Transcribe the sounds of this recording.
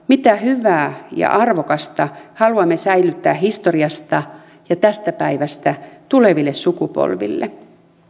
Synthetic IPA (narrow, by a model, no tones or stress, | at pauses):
mit̪æhyʋæːjɑ̰ʔɑrʋokɑst̪ɑhɑluɑmːesæilyt̪ːæːhist̪oriɑst̪ɑ | jɑt̪æst̪æpæiʋæst̪æt̪uleʋilːessukupo̰lʋḭlːḛ